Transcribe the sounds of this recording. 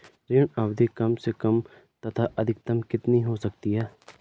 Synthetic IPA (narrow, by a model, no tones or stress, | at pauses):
ɾeːɳaːʋd̪ʱikɐmsekɐm | t̪ɐt̪ʰaʔɐd̪ʱɪk̚t̪ɐmkɪt̪niɦosɐkt̪iɦɛː